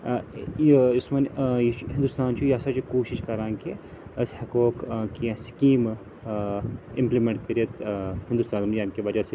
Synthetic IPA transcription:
ɪsmɐniɦɪ̃nd̪ʊst̪aːnt͡ʃʰujaːsat͡ʃʰukoːʃiʃkɐɾãːŋki | ɐshɐkoːkkiãskiːm | ɪ̃mplimẽɳʈkɐɾiɐt̪hɪnd̪ust̪aːnmaːmkeʋɐd͡ʒase

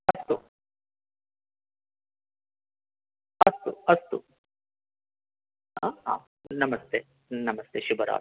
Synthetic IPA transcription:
ɐst̪u | ɐst̪uɐst̪u | aɦa̰ː | nɐmɐst̪ʰeː | nɐmɐst̪ʰeːʃubɐɾa̰ː

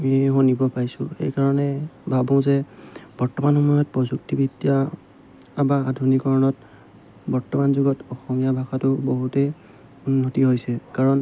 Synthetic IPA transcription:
miɦonibɔpajsʊ̰̃xḛjkaɹɔnɛbʱabɔ̃zɛb̥ɔɹtɔmanxɔmɔjɔt̚pɔzuk̚tibʱitːija | abaːdʱunikɔɹɔnɔt | bɔɹtɔmanzʊɡɔtɔxɔmijabʱaxatʊboɦutɛ | unːotiɦojsɛkaɹɔn

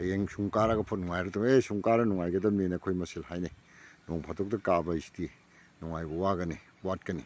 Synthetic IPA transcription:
jeŋsuŋkaɾaɡɐpʰotnuŋajɾɐduŋesuŋkaɾɐnuŋajɡɐdɐmenakʰojmɐsilhajne | noŋpʰatʰok̚dɐkabɐisti | nuŋajbɐwaɡɐni | wat̚kɐni

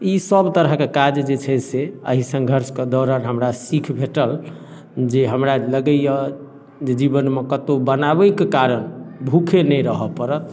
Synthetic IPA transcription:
isəbt̪əɾəɦkekad͡ʒd͡ʒet͡ʃʰɛseə̰ɦisə̃ŋɡʱəɾsked̪ɔɾəɾɦəmɾasikʰbʱeʈəl | d͡ʒeɦəmɾaləɡəjə | d͡ʒed͡ʒibənmekət̪obənabəkekaɾənbʱukʰenɛjɾəɦəpəɾət̪̚

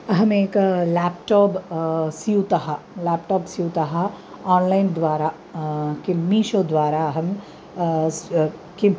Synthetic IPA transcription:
ɦɐmeːklɛːpʈɔːpsiut̪ɐɦa | lɛːpʈɔːpsiut̪ɐɦa | ɔːnlaːɪnd̪ʋaːɾa | kemiːʃod̪ʋaːɾaɦɐm | ke

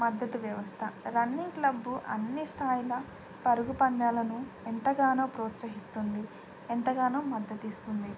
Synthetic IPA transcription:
mɐd̪ːɐt̪uʋjɐʋɐst̪ʰɐɾɐnːiŋklɐbːuʔɐ̰nːist̪ʰaːjilɐ | pɐɾuɡupɐnd̪aːlɐnuent̪ɐɡaːnoːpɾoːt̪sɐɦist̪und̪i | ent̪ɐɡaːnoːmɐd̪ːɐt̪ist̪und̪i

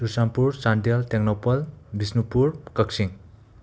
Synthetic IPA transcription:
susampuɾsandalteŋnɔpʌlbisnupuɾkʌksiŋ

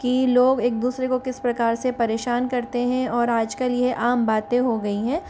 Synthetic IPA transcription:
kiloːɡeːk̚d̪uːsɾekokɪspɾɐkaːɾsepɐɾeːʃaːnkɐɾt̪eɦɛ̃ɔːɾaːd͡ʒkɐljeʔaːmbaːt̪ẽɦoɡɐiɦɛ̃ː

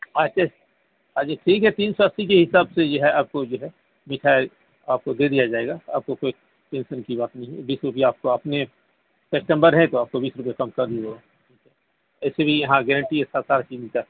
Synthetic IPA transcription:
aʃʰa | ɦaːaʈʰiːkɦɛt̪iːnsoɐsːik̬eɦɪsaːbsed͡ʒoɦɛaːp̚kod͡ʒoɦɛ | mɪʈʰaːe | aːp̚kod̪eːd̪ijad͡ʒaːeːɡaa̰ːp̚kokoːi | ʈɛ̃ːnsənkibaːt̪nəɐɦĩbiːsɾʊp̬ijaaːp̚koɐpne | sɛk̚ʈə̃mbəɾɦɛ̃t̪oaːp̚kobiːsɾʊp̬ijakɐmkɐɾd̪ieoa | ʈʰiːkɦɛ | ɛːsebʱijɐɦãɡɛːɾə̃ɳʈiesaːsaːɾat͡ʃiːzĩk̪a

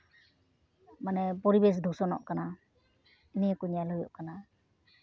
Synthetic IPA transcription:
manɛpɔɾibes̬d̪ʱɔsɔnɔ̰ʔkana | iniakuɲalɔjɔ̰ʔkana

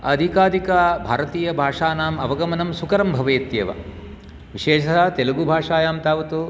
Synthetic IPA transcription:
ɐd̪ʱikaːd̪ʱikɐbʱaːɾɐt̪iːjɐbʱaːʂaːnaːmɐʋɐɡɐmɐnɐmsukɐɾɐmbʱɐʋeːt̪jɐʋɐ̰ | ʋiʃeːʂɐɦt̪elɐɡubʱaːʂaːjaːmt̪aːʋɐt̪u

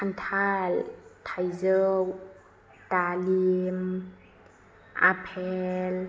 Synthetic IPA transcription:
kʰant̪ʰaltʰajzəw | talim | ʔa̰pʰɛl

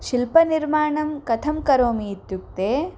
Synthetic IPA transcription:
ʃilpɐniɾmaːɳɐmkɐt̪ʰɐmkɐɾoːmiːt̪juk̚t̪eː

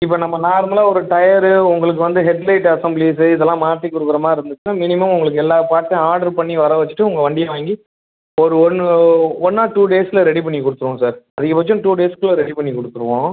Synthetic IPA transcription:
ɪpːɐnɐmːɐnaːɾɯmɐlaːɔɾɯʈɐjɐɾɯʊŋɡɐɭɯk̬ːɯʋɐnd̪ɯɦɛɖlɐɪʈːɐsɐmblis̬ɯɪðɛlːãːmaːt̪ːikːʊɾɯkːɪɾɐmaːɪɾɯnd̪ɯt͡ʃːɯnaːmɪnɪmɐmʊŋɡɐɭɯk̬ːɯɛlːaːpaːʈt̪ɐ̃aːɾɖɐɾpɐɳːiʋɐɾɐʋɐt͡ʃːɯ̥ʈːɯʊŋɡɐʋɐɳɖɪjɐʋaːŋɡi | ɔɾɯɔnːɔnːaːʈuːɖeːsɪlɐɾɛɽipɐɳːikʊɽɯt̪ːɯʋõːsaːɾɐðɯkːɐpːɐt͡ʃːʊ̃ʈuːɖeːskɯlːɐɾɛɽipɐɳːikɔɽɯt̪ːɯɾɯʋõː

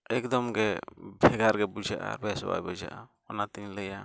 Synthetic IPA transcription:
ɛkd̪ɔmɡɛbʱɛɡaɾɡɛbud͡ʒaʔa̰ɾbɛsɔwa̰jbɔd͡ʒa̰ʔa | ɔnat̪iɲlɛja

